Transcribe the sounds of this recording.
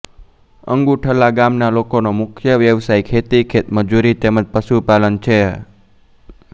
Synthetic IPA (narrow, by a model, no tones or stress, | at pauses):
ə̰ŋɡuʈʰəlaɡamnalokonomʊkʰjəʋjəʋsaikʰet̪ikʰet̪məd͡ʒuɾit̪eməd͡ʒpəʃupalənt͡ʃʰe